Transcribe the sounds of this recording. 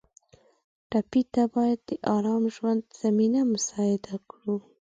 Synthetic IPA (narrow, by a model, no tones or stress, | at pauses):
ʈɑpit̪abɑjad̪̚ːəʔɑɾɑmʒwand̪z̥aminamʊsɑjɪd̪akɽu